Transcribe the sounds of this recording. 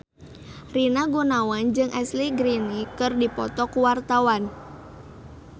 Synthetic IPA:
rinaɡunawand͡ʒɨŋʔɛsliɡɾinikɨrdipɔt̪ɔkuwart̪awan

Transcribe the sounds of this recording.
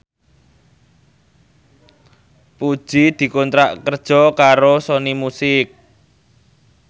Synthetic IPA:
pud̥ʒ̥id̪̥i̤kɔnt̪ɾaʔkərd̥ʒ̥ɔ̤kaɾosonimusɪk̚

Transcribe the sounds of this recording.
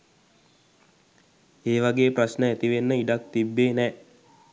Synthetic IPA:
eːʋaɡeːprasnəæt̪iʋenːəiɖak̚t̪ibːeːnɛː

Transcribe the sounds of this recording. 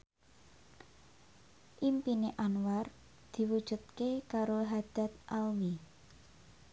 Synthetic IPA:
ʔimpineʔanwar | d̪̥i̤wud̥ʒ̥ṳt̪̚kekaɾoɦad̪̥a̤t̪̚ʔalwi

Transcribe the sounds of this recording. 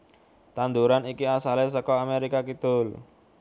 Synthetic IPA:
t̪and̪uɾanikiasalesəkɔameɾikakit̪ʊl

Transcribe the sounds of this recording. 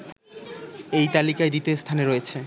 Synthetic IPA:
ejt̪alikajd̪it̪est̪ʰaneɾojet͡ɕʰe

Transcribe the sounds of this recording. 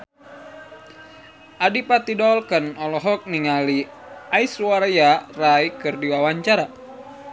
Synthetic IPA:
ʔadipat̪idɔlkənɔlɔɦɔk̚niŋaliʔaisuwaɾajarajkɨrdiwawaɲt͡ʃaɾa

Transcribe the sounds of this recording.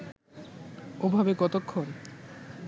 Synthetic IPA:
obʱabekɔt̪okʰːon

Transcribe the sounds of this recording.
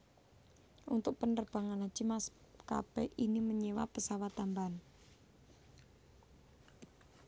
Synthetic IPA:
ʔunt̪ʊk̚pəndərb̥a̤ŋanḁʒ̥i̤mas | ka̰b̥ɛʔiniməɲewapəsawat̪ːamban

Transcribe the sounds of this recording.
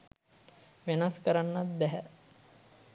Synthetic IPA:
ʋenaskəɾanːat̪̚bɛɦæ

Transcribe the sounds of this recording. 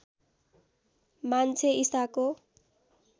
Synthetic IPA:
mant͡sʰeisako

